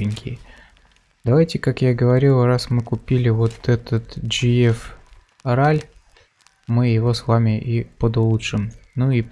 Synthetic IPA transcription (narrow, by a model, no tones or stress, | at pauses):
ɪnʲkʲɪ̰ | d̪ɐvajtʲɪkakjaɡəvɐɾʲilˠrasmɨkʊpʲilʲɪvo̞t̪ɛt̪ət̪d͡ʒɨɛf | ralʲ | mɨjɪvo̞svamʲɪʔipəd̪ʊlˠutʂɨmnui